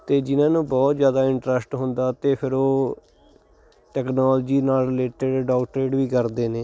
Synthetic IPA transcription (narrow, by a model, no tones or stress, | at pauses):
t̪eːd͡ʒɪnãːnũːbɔːt̪zjaːd̪aːɪɳʈɾəsʈɦʊ̃nd̪aːt̪eːpʰɪɾoː | ʈɛːknɔːld͡ʒiːnaːlɾɪleːʈəɖɖɔːkʈɾeːɖʋiːkəɾd̪eːneː